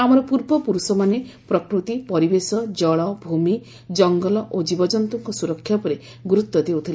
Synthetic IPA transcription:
amɔɾɔpuɾbɔpuɾusɔmanepɾɔkɾut̪ipɔɾibesɔd͡ʒɔɭɔbʱumi | d͡ʒɔŋɡɔlɔʔod͡ʒibɔd͡ʒɔnt̪ɔŋkɔsuɾɔkʰːjapɔɾe | ɡɾut̪ːɔd̪ewt̪ʰil

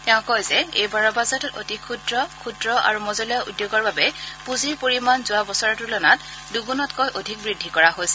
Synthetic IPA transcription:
tɛʊ̃kɔjzɛejbaɹɔbazɔtɔto̰tikʰudɹɔkʰudɹɔʔa̰ɹumɔzɔlɔjaʔṵdjoɡɔɹbabɛpuziɹpoɹimanzʊabɔsɔɹɔtʊlɔnat | duɡunɔtkojʔodʱik̚bɹidʱːikɔɹaɦojsɛ

